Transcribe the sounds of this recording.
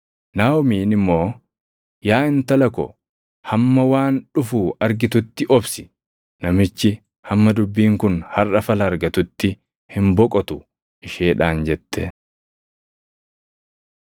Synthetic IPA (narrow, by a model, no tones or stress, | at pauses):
naːwɔmiːnɪmːo̞ː | jaːɪnt̪ɐlɐkɔ̰ | hɐmːɐwaːnᶑʊfuːɐɾɡɪt̪ʊt̪ːɪʔɔbsɪ̥ | nɐmɪt͡ʃːɪ | hɐmːɐd̪ʊbːiːŋkʊnhɐrʔɐfɐlɐːɾɡɐt̪ʊt̪ːɪ | hɪmbɔkʼɔt̪ʊ | ɪʃeːᶑaːnd͡ʒɛt̪ːɛ